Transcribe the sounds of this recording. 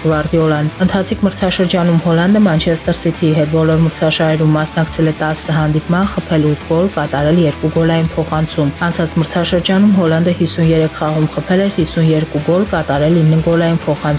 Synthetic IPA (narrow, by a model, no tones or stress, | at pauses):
ɡvɑɾd̪iɔlɑnd̪ənt̪ʰɑt͡sʰikʰməɾt͡sʰɑʃəɾd͡ʒɑnumhɔlɑnd̪əmɑnt͡ʃʰɛst̪əɾsit̪ʰiɦɛt̪̚bɔlɔɾməɾt͡sʰɑʃɑɾɛɾumːɑsnɑkt͡sʰɛlɛt̪ɑsːəɦɑnd̪ipmɑnχəpʰɛlut̪ʰɡɔlkɑt̪ɑɾɛljɛɾkuɡɔlɑjinpʰɔχɑnt͡sʰumɑnt͡sʰɑt͡sʰməɾt͡sʰɑʃəɾd͡ʒɑnumɦɔlɑnd̪əhisunjɛɾɛkʰχɑʁumχəpʰɛlɛɾhisunjɛɾkuɡɔlkɑt̪ɑɾɛlinːəɡɔlɑjinpʰɔχɑnt͡s